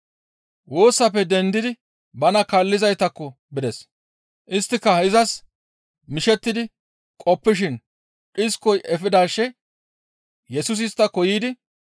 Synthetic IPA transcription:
wo̞ːsːɐpːɛd̪ɛnd̪ɪd̪ɪ | bɐnɐkaːlːɪzɐjt̪ɐkːɔ | bɪd̪ɛs | ʔɪst̪ːɪkːɐhɪzɐs | mɪʃɛt̪ːɪd̪ɪ | kʼɔpːɪʃ̬ɪn | ᶑɪskːɔjʔɛfɪd̪aːʃːɛ | jɛsʊs̬ɪst̪ːɐkɔjiːd̪ɪ

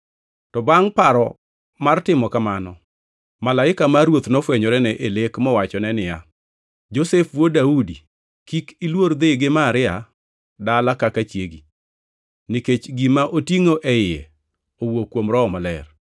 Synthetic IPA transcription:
tɔbaŋpaɾɔ | martɪmɔkamanɔ | malaɪkamaɾwot̪nɔfwɛɲɔɾɛnɛʔelekmɔwat͡ʃɔnɛnɪja | d͡ʒosefwodaudi | kikilwoɾd̪eɡɪmaɾɪa | dalakakat͡ʃjeɡi | niket͡ʃɡimaʔotiŋoʔɛjɪɛ̰ | owokːwomɾɔɔmɔlɛr

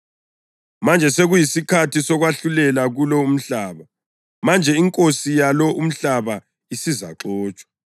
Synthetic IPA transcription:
mand͡ʒʱɛseɣujisikʰatʰisɔɣwaɬulɛlaɣulɔum̩ɬaːβa | mand͡ʒʱɛiŋkʼosijalɔʔum̩ɬaβa | isiza̰ǁɔːt͡ʃʼwḁ

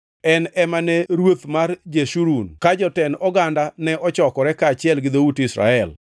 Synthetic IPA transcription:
ɛnɛmanɛɾwot̪mard͡ʒeʃuɾunkad͡ʒɔtɛnɔɡandanɛʔɔt͡ʃɔkɔɾɛkaːt͡ʃɪɛlɡɪd̪outɪsɾa̰ɛl

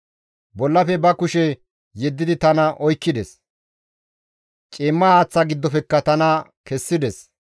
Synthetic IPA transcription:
bɔlːɐfɛbɐkʊʃɛ | jɛd̪ːɪd̪ɪt̪ɐnɐʔɔjkːɪd̪ɛs | t͡ʃʼiːmːɐhaːt͡sːaɡɪd̪ːɔpɛkːɐt̪ɐnɐkɛsːɪd̪ɛs

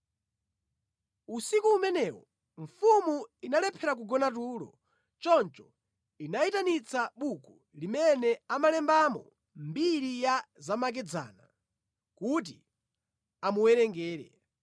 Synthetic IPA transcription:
usikuːmɛnɛwɔ | ɱfumuinalɛpʰɛɾak̬uɡɔnat̬uːlɔ̰ | t͡ʃɔnt͡ʃɔ | inaitanit͡saɓuku | limɛnɛamalɛmbamɔ̰ | mbiɾijazamak̬ɛd͡za̰ːna | kut̬i | amuwɛɾɛŋɡɛːɾɛ̰

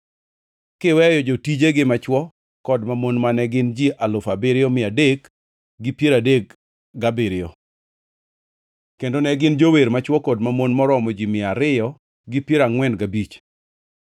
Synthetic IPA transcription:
kɪwɛjɔd͡ʒotid͡ʒeɡɪmat͡ʃwɔ | kɔdmamonmanɛɡɪnd͡ʒiʔalʊfabɪɾɪɔmɪadek | ɡɪpjeɾadek | ɡabɪɾɪɔ | kendonɛɡɪnd͡ʒoweɾmat͡ʃwɔkɔdmamonmɔɾɔmɔd͡ʒimɪaɾɪjɔ | ɡɪpjeɾaŋwɛnɡabit͡ʃ

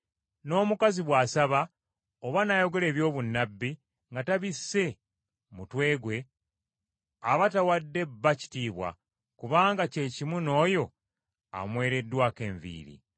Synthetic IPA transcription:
no̞ːmukaziβwaːsaβa | oβanajo̞ɡe̞le̞ːβjo̞ːβunːabːi | ŋɡataβisːe̞ | mutwe̞ːɡwe̞ | aβatawadːe̞bːaci̥tiːβwa̰ | kuβaːŋɡace̞cimuno̞ːjo̞ | a̰mwe̞ːɾe̞dːwake̞ːɱvḭːɾḭ

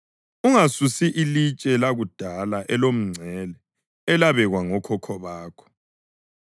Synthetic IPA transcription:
uŋasusiʔilit͡ʃʼɛlaɣud̥ʱalaʔɛlom̩ŋ͡ǀʱɛlɛː | laβɛɣwaŋɔkʰɔkʰɔβaːkʰɔ̥

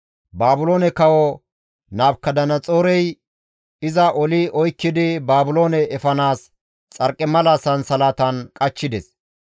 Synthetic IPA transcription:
baːbʊloːnɛkɐwɔ | naːbkːɐd̪ɐnɐt͡sʼoːɾɛj | ɪzɐʔɔlɪɔjkːɪd̪ɪbaːbʊlo̞ːnɛɛfɐnaːs | t͡sʼɐɾkʼːɛmɐlaːsɐnsɐlaːt̪ɐnkʼɐt͡ʃːɪd̪ɛs

